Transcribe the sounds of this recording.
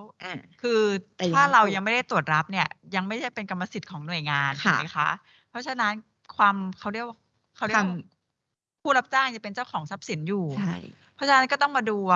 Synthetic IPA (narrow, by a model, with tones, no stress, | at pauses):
kʰɯː˧tʰaː˥˩ɾa˧wja˧ŋma˥˩jda˥˩jt̪u˨˩ət̪̚ɾa˦˥p̚ni˥˩ɐja˧ŋma˥˩jda˥˩jpe˧nka˧mːa˧si˨˩t̪̚kʰɔː˩˦ŋnu˨˩əjŋaː˧nʰa˦˧˩a˦˩jkʰa˦˥ʔ | pʰɔ˦˥t͡ɕʰa˧na˦˥n | kʰwaː˧mkʰa˦˩wɾi˥˩ək̚wa˥ | kʰa˦˥˩ɾi˥˩w | pʰuː˥˩ɾa˦˥p̚t͡ɕaː˥˩ŋja˨˩pe˧nt͡ɕa˥˩wkʰɔː˩˦ŋsa˦˥p̚si˩˦njuː˨˩a˥˩j | pʰɔ˦˥t͡ɕʰa˧na˦˥nkɔː˥˩t̪ɔ˥˩ŋmaː˧duː˧